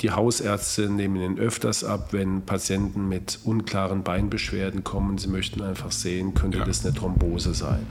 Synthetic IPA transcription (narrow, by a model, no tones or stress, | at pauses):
d̥iːhaʊsʔɛɐt͡stəneːməniːnʔœftɐstʔa̰pvɛnpʰat͡sjɛntn̩mɪtʔʊnkl̥aːʁənbaɪnbəʃv̥eːɐdn̩kʰɔmənziːmœçtn̩aɪnfaχz̥eːənkʰœntədasnətʁ̥ɔmboːzəza̰ɪn